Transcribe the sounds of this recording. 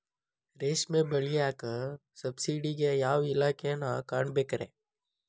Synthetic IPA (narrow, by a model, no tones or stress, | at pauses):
ɾeːsmẽbəɭiaːkə | səbsiːɖikejaːwɪlaːkenakaɳbeːkɾḛ̃ː